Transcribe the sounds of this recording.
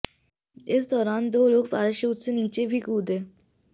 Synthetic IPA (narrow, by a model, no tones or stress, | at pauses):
ɪs̬d̪ɔːɾaːnd̪oːloːkpaːɾɪʃəːt̪seniːt͡ʃebʱiːkuːd̪eː